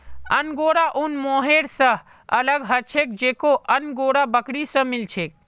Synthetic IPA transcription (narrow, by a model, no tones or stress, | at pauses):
ənɡoɽaʔunmoɦeɾsə̃ | ələɡɦət͡ʃʰek̚d͡ʒekoʔənɡoɽabəkɽisə̃milt͡ʃʰek̚